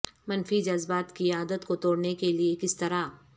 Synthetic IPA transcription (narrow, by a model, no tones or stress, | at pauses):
mɐnfid͡ʒɐzbaːt̪kiaːd̪ət̪kot̪oːɽnekeliekɪst̪ɐɾa